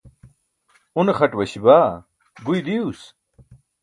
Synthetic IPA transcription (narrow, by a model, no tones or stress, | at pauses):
unexɐʈwɐɕibaː | ɡujd̪ius